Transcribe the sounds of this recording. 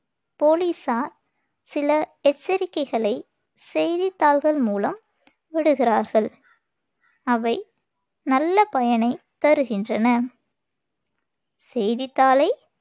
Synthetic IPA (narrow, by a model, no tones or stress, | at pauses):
poːliːsaːɾ | sɪlɐɛt͡ʃːɐɾɪkːɐɪɣɐɭɐɪ | sɛjðɪt̪ːaːlɣɐɭmuːlɐm | ʋɐɽɯɣɪraːɾɣɐɭ | ɐʋɐɪ | nɐlːɐpɐjɐnɐɪt̪ːɐɾɯɣɪndrɐnɐ | sɛjðɪt̪ːaːlɐɪ